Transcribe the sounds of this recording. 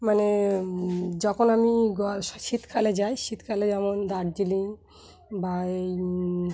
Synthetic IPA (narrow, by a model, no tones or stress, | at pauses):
mane | d͡ʑɔkʰonamiɡɔʃit̪kʰaled͡ʑajʃit̪kʰaled͡ʑɛmond̪aɾd͡ʑiliŋ | ba